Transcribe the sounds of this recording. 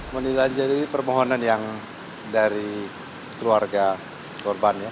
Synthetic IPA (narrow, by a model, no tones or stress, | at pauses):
mənilaɲd͡ʒadipərmɔɦonanjaŋ | daɾi | kəluarɡa | kɔrbanja